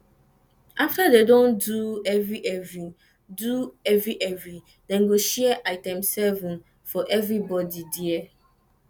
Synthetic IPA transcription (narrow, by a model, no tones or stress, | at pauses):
aftadedõnduɛvɹiʔɛvĩ | duɛvɹiʔɛvɹi | dɛ̃nɡoʃɛɛʔaɪtɛ̃msɛvɔ̃n | fɔʔɛvɹibɔdidiɛ